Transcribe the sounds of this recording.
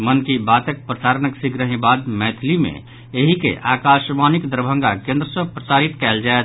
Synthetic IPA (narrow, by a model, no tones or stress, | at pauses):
mənkibat̪ek̚pɾəsaːɾnəksiɡɾəɦĩbad̪mɛt̪ʰlimḛ̃ | eɦikḛʔaːkaʃmanikd̪əɾbʱə̃ŋɡakẽnd̪ɾəsə̃pɾəsaːɾit̪kɛld͡ʒaet̪